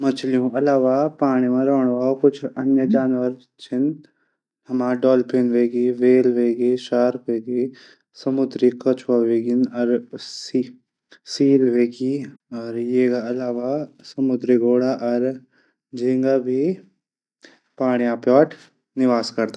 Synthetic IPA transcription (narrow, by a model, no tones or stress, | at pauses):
mɐt͡ʃʰlijũɐlaːʋapaːɽ̃imãɾɔːɽ̃ʋaːokʊt͡ʃʰɐnjəd͡ʒaːnʋəɾ | t͡ʃʰɪn | ɦɐmaːɖɔːlpeːnʋeːɡiʋeːlʋeːɡiʃaːɾkʋeːɡi | sɐmʊd̪ɾikɐt͡ʃʰʋaʋeːɡinɔːɾi | siːlʋeːɡiɔːɾjekaɐlaːʋasɐmʊd̪ɾiɡoːɽaʔɔːɾ | d͡ʒĩːŋɡabʱi | paːɽ̃ijãpjɔːʈ | nɪʋaːskɐɾt̪a